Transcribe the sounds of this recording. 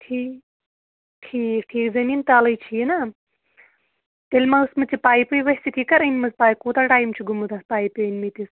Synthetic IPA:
ʈʰiːk | ʈʰiːkʈʰiːkzɐmiːnt̪alɐjt͡ʃʰinɐ | t̪elʲmausmɐt͡sʰipaːjpɨjʋɐɦsikʲikɐɾɐnʲmɐzpaːjkuːt̪aʈaːjmt͡ʃʰuɡumut̪aspaːjpunʲmit̪is

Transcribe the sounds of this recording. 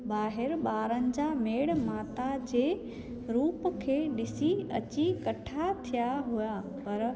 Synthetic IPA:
baːɦɪɾɓaːɾənɪ̆d͡ʑameːɽmaːt̪ad͡ʑeː | ɾuːpkʰeːɗɪsiɐ̰t͡ɕikɐʈʰat̪ʰijaɦuja | pɐɾ

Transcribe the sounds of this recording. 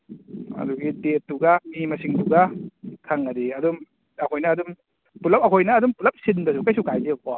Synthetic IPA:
ɐ̰duɡidet̚ːuɡamimɐsiŋtuɡakʰaŋːɐdiɐdum | ɐkʰojnɐːdum | pulɐp̚ɐkʰojnɐːdumpulɐp̚sindɐsukajsukajzekɔ

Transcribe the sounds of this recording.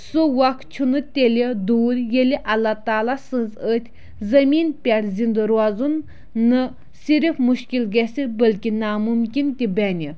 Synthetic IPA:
suwɐkt͡ʃʰunɨt̪ʲelʲid̪uːɾjelʲiʔɐlːat̪aːlasɨzət̪ʲʰ | zɐmʲiːnpʲɛɽzind̪ɨɾazunː | ɨ | siɾifmuʃkʲilɡʲɛsibəlkʲinaːmumkʲint̪ʲibɛnʲi

